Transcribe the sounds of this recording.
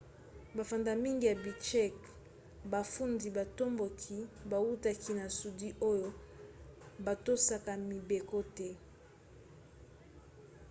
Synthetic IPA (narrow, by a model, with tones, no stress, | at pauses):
ba˨fa˨nda˨mi˦ŋɡi˨ja˨bi˨t͡ʃɛ˦˨k | ba˨fu˦ndi˨ba˨to˦mbo˨kʰi˦ba˨wu˦ta˦ki˦na˨su˨di˦ʔo˦jo˦ | ba˨to˦sa˦ka˨mi˨be˨ko˦tɛ˦